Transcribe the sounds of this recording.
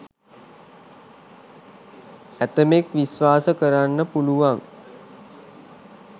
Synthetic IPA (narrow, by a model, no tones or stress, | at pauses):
æt̪əmekʋisʋaːsəkəɾanːəpuluʋaŋ